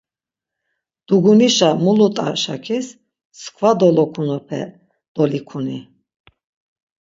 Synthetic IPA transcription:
d̪̥uɡuniʃamulut̪ʼa̰ʃa̰kʰis | skʰvad̪ɔlɔkʰunɔpʰɛ̰ | d̪̥ɔlikʰuni

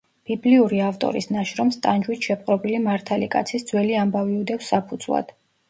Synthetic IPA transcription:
b̥ibliuɾiaft̪ʼɔ̰ɾḭsnaʃɾɔmst̪ʼand͡ʒwit̪ʰʃɛp̚ʼqʼɾɔbilimaɾt̪ʰalikʼa̰t̪sʰisd̪zwɛliambaviud̪ɛfsapʰud̪z̥lˠa̰d̪̥

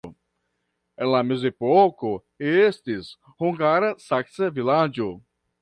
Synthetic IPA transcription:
ẽnlamezepoko | eest̪is | huŋɡaɾɐsaksɐvilad͡ʒo

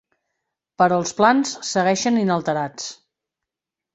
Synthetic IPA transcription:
pəɾɔːlˠsplansːəɣɛʃəninəlˠt̪əɾat͡s

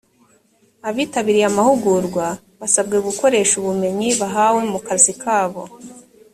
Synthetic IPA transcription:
aβiːtaβiɾijamahuɡuɾɡwa | βasabɡeɡuko̞ɾe̞ːʃuβume̞ɲiβaɦawe̞mukazikʰaːβo̞

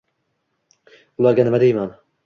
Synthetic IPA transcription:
ulˠɑɡʲanɪmad̪ejman

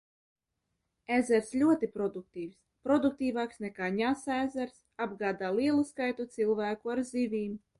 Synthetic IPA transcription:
æzʲɛɾslʲuɔt̪ipɾɔd̪uk̚t̪iːws | pɾɔd̪uk̚t̪iːvaːksnɛkaːɲasæːzɛɾs | abɡaːd̪aːlˠiɛlˠuskajt̪ut̪silˠvæːkuaɾzivʲiːm

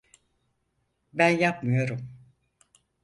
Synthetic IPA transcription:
bænjapmɯjoɾum

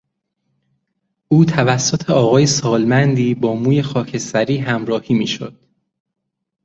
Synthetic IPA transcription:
ʔuːt̪ʰævæsːot̪ʰe̞ɒːɣɒːje̞sɒːlmænd̪iːbɒːmuːje̞xɒːcʰe̞st̪æɾiːɦæmɾɒːhiːmiːʃo̰d̪̥

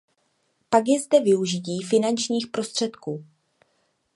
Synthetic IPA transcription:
paɡjɛzdɛvɪuʒɪciːfɪnant͡ʃɲiːxpɾo̞st̪r̝̥ɛt̪kuː

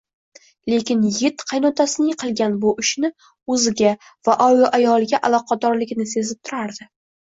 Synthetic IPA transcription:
le̞kʲɪnjɪt̪qʰɑjnɒt̪ʰasɪnɪjqʰɨlˠɡʲanbʊʔɪʃnɪ | ɵzɪɡʲa | vaʔɒjʔajɒlˠɪɡʲaʔalˠɒqʰɑd̪ɒɾlɪɡʲnɪsezɪp̚t̪ʰʊɾaɾd̪ɪ

